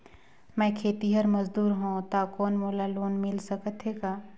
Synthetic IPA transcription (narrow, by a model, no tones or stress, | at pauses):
mɛ̃ːkʰeːt̪iɦəɾmɐzd̪uːɾɦõt̪akɔːnmoːlaloːnmɪlsɐkət̪ɦeːɡaː